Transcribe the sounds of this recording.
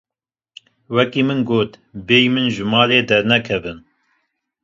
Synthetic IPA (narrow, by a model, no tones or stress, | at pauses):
wɛkiːmɨnɡoːt̪beːjmɨnʒɨmɑːleːd̪ɛɾnɛkʰɛvɨn